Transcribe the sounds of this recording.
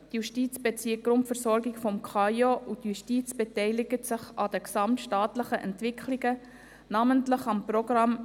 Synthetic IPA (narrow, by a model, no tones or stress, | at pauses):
tjuʃtiːt͡sb̥ɛt͡siək̚ɡɾʊntfəɾsɔɾɡɪkfɔmkʰχɑjoutjuʃtiːt͡sb̥ɛtɛɪlɪɡətsɪχɑdəksɑmtʃtɑːtləχəʔɛ̰ntʋɪkʰliɡə | nɑməntlɪχɑmprɔɡrɑm